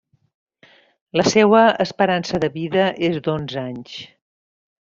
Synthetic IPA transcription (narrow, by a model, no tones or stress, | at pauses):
ləsɛwəəspəɾansəðəβiðəʔezd̪onzaɲs